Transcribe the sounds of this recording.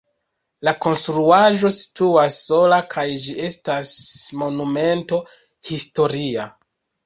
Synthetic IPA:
lako̞nstɾuaʒo̞si̥tuasːo̞lakʰajd͡ʒie̞stasmo̞nume̞nto̞ | histo̞ɾia

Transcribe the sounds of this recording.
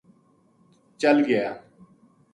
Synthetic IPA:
t͡ʃəlɡəjaː

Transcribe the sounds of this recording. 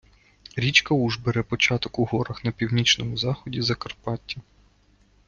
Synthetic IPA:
ɾʲit͡ʃkɐuʒbeɾɛpɔt͡ʃɑt̪ɔkuɦɔɾɐxnɐpʲiwnʲit͡ʃnɔmʊzɑxɔdʲizɐkɐrpɑtʲːɐ

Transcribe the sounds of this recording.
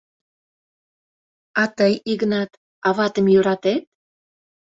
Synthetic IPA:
ɑt̪əjiɣənɑt̪ | ɑβɑt̪əmjyɾɑt̪et̪̚

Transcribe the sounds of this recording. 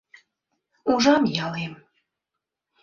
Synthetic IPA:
uʒɑmjɑlem

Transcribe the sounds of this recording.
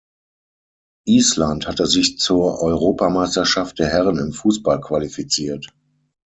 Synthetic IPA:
ʔiːslanthatəzɪçt͡suːɐʔɔʏʁoːpamaɪstɐʃaft̚d̥eːɐhɛʁənɪmfuːsb̥alkʰv̥alifit͡siːɐt

